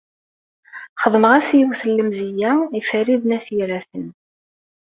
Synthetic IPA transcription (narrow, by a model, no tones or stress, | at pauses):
χəðˤnəʁæsjuwθəlːəmzijæifəɾiðnæθiɾæθən